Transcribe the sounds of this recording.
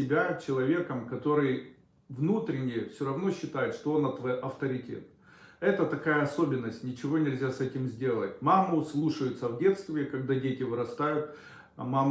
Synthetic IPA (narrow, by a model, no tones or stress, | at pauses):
sʲɪbʲat͡ɕɪlˠɐvʲe̞kəmkɐt̪o̞ɾɨj | vnut̪ɾʲɪnʲɪjəfsʲoɾɐvno̞ɕːɪt̪ajɪt̪ʂt̪oonat̪vojʔɐft̪əɾʲɪtʲḛt̪ | ɛt̪ət̪ɐkajəɐso̞bʲɪnːəsʲtʲnʲɪt͡ɕɪvo̞nʲɪlʲzʲasɛtʲɪmzʲdʲe̞lˠət̚ʲmamʊslˠuʂəjʊt̪səvdʲe̞t̪st̪vʲɪkɐɡ̚d̪adʲetʲɪvɨɾɐst̪ajʊt̪̚ | mam